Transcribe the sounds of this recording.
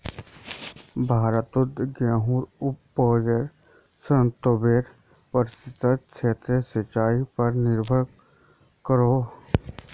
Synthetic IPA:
bʱaːɾət̪ud̪ɡãːɦuːɾʊpːoːd͡ʒeɾ | sənt̪obeːɾ | pəɾɪsɪt̪ətt͡ʃʰeːt̪ɾəsət͡ʃaːipɐɾnɪɾbʱəɭ | kəɾoː

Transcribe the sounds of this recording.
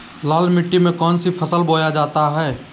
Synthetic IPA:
laːlmɪʈːimẽkɔːnsipʰəsəlboːjad͡ʒaːt̪aɦɛː

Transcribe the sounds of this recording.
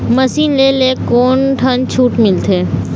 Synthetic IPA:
mɐsiːnleːleːkoːnʈʰɐnt͡ʃʰuːʈmɪlt̪ʰeː

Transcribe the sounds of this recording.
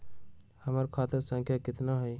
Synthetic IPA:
həməɾkʰat̪əɾsə̃ŋkʰjakɪt̪naɦoj

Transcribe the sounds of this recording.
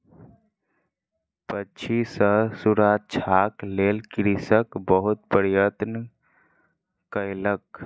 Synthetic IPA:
pət͡ʃʰisəɦsuɾat͡ʃʰaklelkɾisəkbəɦut̪̚pəɾjət̪n | kəjlək

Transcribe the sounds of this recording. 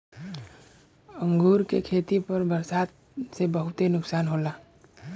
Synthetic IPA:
əŋɡʱuːɾkekʰet̪ipəɾbəɾsaːt̪̚ | sebəɦʊt̪enʊksaːnɦola

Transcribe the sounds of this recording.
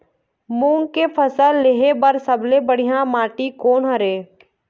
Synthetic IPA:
mũːŋɡkepʰəsəlːeɦebəɾsəblebəɽ̤ijãmaːʈikoːnɦəɾeː

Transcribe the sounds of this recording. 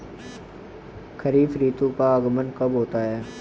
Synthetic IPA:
kʰəɾiːfɾiːt̪ũpaɐɡmənkɐbɦoːt̪aɦɛː

